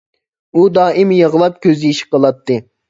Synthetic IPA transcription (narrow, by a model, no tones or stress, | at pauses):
ud̪ɑːʔimjəʁlˠɑp̚kʲʰøzɪiʃi̥qəlˠɑt̪ʰːɨ